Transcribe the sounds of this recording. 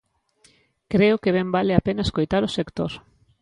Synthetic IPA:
kɾeʊkeβ̞embaleapenɐeskojt̪aɾʊsekt̪oɾ

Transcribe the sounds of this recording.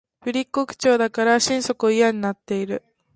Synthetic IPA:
ɸɯ̟ɾʲikːo̞kɯ̟̥t͡ɕo̞ːd̪akaɾaɕĩɰ̃so̞kɯoijaɲ̟inat̪ːe̞iɾɯ̟

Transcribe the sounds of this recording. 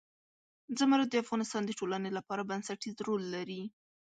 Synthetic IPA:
d͡zəmaɾad̪əafɣɑnɪst̪ɑnd̪əʈolanelapɑɾabansaʈizɾolːaɾi

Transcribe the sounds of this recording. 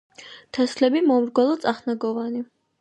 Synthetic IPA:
t̪ʰɛslɛbimɔmɾɡwɛlɔt̪t͡s̪ʼaχnaɡɔvani

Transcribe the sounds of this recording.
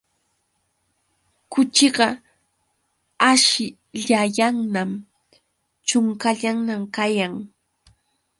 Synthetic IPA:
kʊt͡ʃɪɢɑ | aʃɪ | ʎajaŋnam | t͡ʃʊŋkaʎaŋnamkajaŋ

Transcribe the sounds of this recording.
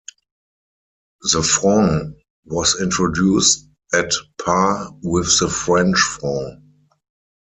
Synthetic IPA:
ðəfɹɔ̃ŋ | wɔsɪ̃ntɹɔdjuːst | ɛtpʰawɪθðəfɹɛ̃nt͡ʃfɹɔ̃ŋ

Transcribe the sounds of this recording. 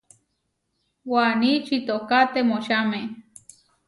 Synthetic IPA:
wanit͡ʃit̪okat̪emoʃame

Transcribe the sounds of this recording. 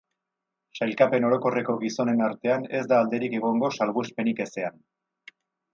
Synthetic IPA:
sajlkape̞no̞ɾo̞ko̞re̞ko̞ɣiso̞ne̞naɾt̪e̞ane̞zd̪aːld̪e̞ɾike̞ɣ̞oŋɡo̞salɣuspe̞nike̞se̞an

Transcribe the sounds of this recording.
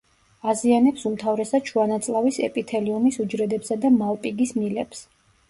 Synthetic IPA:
azianɛpsumt̪ʰavɾɛsḁt͡ʃʰuanat̪sʼlˠavisɛ̰pʼit̪ʰɛliɔnisud͡ʒɾɛd̪ɛpsad̪amalˠpʼiɡismilɛps

